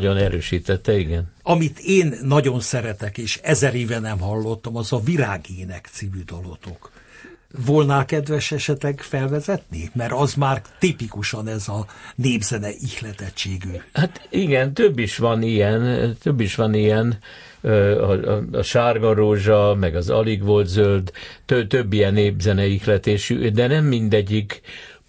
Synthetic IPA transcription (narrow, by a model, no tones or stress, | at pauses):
ɟonɛɾøːʃiːt̪ɛt̪ːɛiɡɛnɒmit̪ʰeːnːɒɟo̞nsɛɾɛt̪ɛkeːʃɛzɛɾeːvɛnɛmhɒlːo̞t̪ːɒmɒzɒviɾaːɡeːnɛkt̪siːvyd̪olot̪ok | volnaːkɛd̪vɛʃɛʃɛt̪lɛɡfɛlvɛzɛt̪nimɛɾɒzmaːrt̪ipikuʃɒnɛzɒneːbzɛnɛʔixlɛt̪ɛt͡ʃt͡ʃːeːɡyhat̪iɡɛnt̪øbːiʃʋɒnijɛnt̪øbːiʃʋɒnijɛn | ɒɒ̰ʃaːrɡonroːʒɒmɛɡɒzɒ̰liɡʋolt̪zøld̪t̪øt̪øbːijɛneːbzɛnɛixlɛt̪eːʃy̰d̪ɛnɛmːind̪ɛɟːik